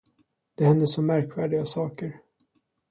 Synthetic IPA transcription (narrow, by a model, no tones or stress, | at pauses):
d̪̥ɛhɛnd̪əsɔmːæɾkvæːɖɪɡasɑːkəɾ